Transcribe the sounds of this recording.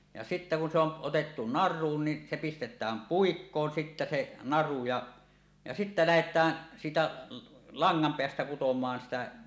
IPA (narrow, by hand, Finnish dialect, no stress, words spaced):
jɑ sitːæ kun se on otetːu nɑrˑuːn ni se pistetˑæːm puikːoːn sitːæ se nɑru jɑ jɑ sitːæ læhetˑæː siːtæ lɑŋːɑmpeæstæ kutomɑːn sitæ